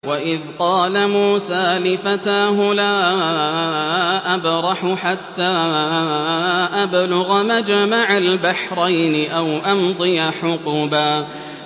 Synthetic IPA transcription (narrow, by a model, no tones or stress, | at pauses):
waʔɪðqɑːlamuːsaːlɪfat̪aːɦʊlaː | ʔabɾˤɑħʊħat̪ːaː | ʔablʊɣamad͡ʒamaʕalbaħɾˤɑjnɪʔawʔɑnd̪ˤɨjaħʊqbaː